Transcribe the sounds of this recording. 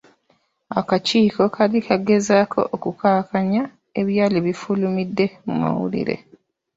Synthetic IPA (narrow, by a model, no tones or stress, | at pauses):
akaciːko̞kʰalikʰaɡe̞zaːkʰo̞̰ʔːkukaːkaɲa | e̞βjaːliβifulumidːe̞mṵma̰wṵlḭɾe̞̰